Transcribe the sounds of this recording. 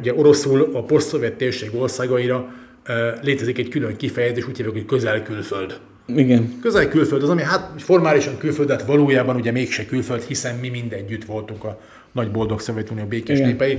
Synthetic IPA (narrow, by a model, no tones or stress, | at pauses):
uɟɛʔo̞ɾo̞sulɒpo̞st̪so̞vjɛt̪ːeːrʃeːɡo̞rsaːɡɒiɾɒ | leːt̪ɛzikɛckyløŋkifɛjɛzeːʃuːcjeːvɛkockø̞zɛlkylfø̞ld̪ | iɡɛnkø̞zɛlkylføld̪ɒzɒmiɦat̪fo̞rmaːliʃɒŋkylføld̪ɛt̪ʋɒloːjaːbɒnuɟɛmeːkʃɛkylfø̞lt̪hisɛnmimind̪ɛɟːyt̪ʋo̞lt̪uŋkɒ | nɒɟbo̞ld̪o̞kso̞vjɛt̪unijoːbeːkeːʃneːpɛji